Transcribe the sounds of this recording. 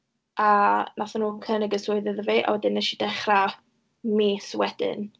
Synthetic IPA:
ʔanʔaθanuːkʰənəɡəsʊɨðəðəveːʔa̰wɛdɪnːɛʃid̥ɛχra | miswɛd̥ɪ̰n

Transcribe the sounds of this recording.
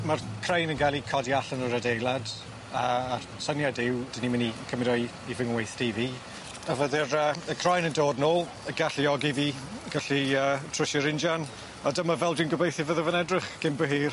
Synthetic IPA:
markʰrejnənɡalˠikʰɔdiaɬənəɾədejlˠad | əarsənjadɪwd̥ɪnimɪnikʰəmɪdɔj | ivɪŋwejθtiviː | əvəðɪrəːəkʰrɔjnəndoːdnoːlˠ | əɡaɬiɔɡiviː | ɡ̥aɬiəːtʰr̥ʊʃəɾɪnd͡ʒan | ɔdəmavɛlˠdɪwnɡəbejθivəðəvənɛdrɪχɡ̥ɪmbəɦiːr

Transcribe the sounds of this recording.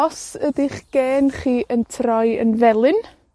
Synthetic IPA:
ɔsədɪχɡ̥eːnχiːʔəntʰrɔjə̰nvɛlˠɨn

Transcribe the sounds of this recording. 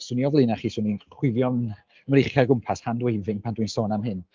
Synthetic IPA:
sʊːniɔvlˠɪnaχiːsʊːninχwɪvjɔn | əmɾeχjaɡʊmpʰashandwejvɪŋpʰandwɨnsɔːnamɦɨn

